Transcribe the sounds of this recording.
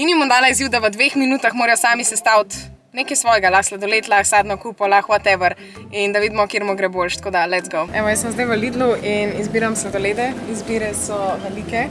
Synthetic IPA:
inimɔnd̪aːlaiziwd̪aʋəd̪ʋexminuːt̪axmoːɾɛjɔsaːmisɛst̪awt̪ | nekɐjsʋɔːjɡalaxslad̪ɔleːt̪laxsaːd̪nɔkuːpɔlaxwat̪ɛʋəɾ | ind̪aʋid̪mɔkiɾmoɡɾɛbolʃt̪koːd̪alɛt̪zɡowɛʋɔjəsəmzd̪ajʋəliːd̪luinizbiːɾamslad̪oleːd̪ɛizbiːɾɛsɔʋɛlikɛ

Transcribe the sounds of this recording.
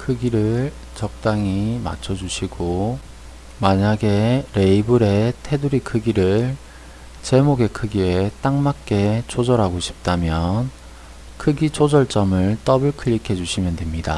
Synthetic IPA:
kʰɯɡiɾɯɭ | t͡ɕʌk̚t͈aŋima̰t͡ɕʰʌd͡ʑuɕʰiɡo | maɲaɡe̞ɾe̞ibɯɾe̞tʰe̞duɾikʰɯɡiɾɯɭ | t͡ɕe̞moɡe̞kʰɯɡiet͈aŋmak̚k͈e̞t͡ɕod͡ʑʌɾɦaɡoɕʰi̥p̚t͈amjʌn | kʰɯɡit͡ɕod͡ʑʌɭt͡ɕ͈ʌmɯɭt͈ʌbɯɭkʰɯɭːikʰe̞d͡ʑuɕʰimjʌndwe̞mɲida̰

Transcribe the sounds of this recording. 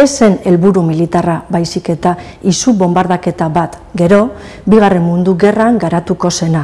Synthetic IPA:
e̞se̞ne̞lβuɾumilit̪araβajsike̞t̪a | isuβo̞mbaɾðake̞t̪aβat̪ | ɡe̞ɾo̞ | biɣare̞nmund̪uɣe̞raŋɡaɾat̪uko̞se̞na

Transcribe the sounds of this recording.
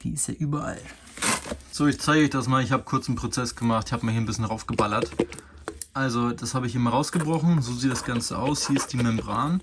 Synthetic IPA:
v̥ḭːɪstḛːʔyːbɐʔa̰l | z̥oːɪçt͡saɪɡəɔçd̥asmaːlɪçhaːbə̥kʰʊɐt͡sn̩pʁ̥ot͡sɛsɡ̥əmaχtɪçhaːbəmaːhiːɐnbɪsçənʁaʊfɡ̥əbalɐt | ʔalzod̥ashaːbəɪçʔɪmɐʁaʊsɡ̥əbʁɔχn̩zoːziːt̚d̥asɡ̥ant͡səʔa̰ʊshiːɐɪstd̥iːmɛmbʁaːn

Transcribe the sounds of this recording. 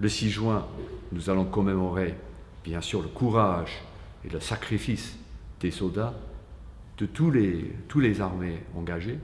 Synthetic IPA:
ləsiʒwɛ̃nuzalɔ̃kɔmemɔʁe | b̥jɛ̃syːʁləkʰuʁaʒ | ḛləsakχifisd̪̥esɔld̪a | d̪̥ət̪ulet̪ulezaʁmeɑ̃ɡaʒe

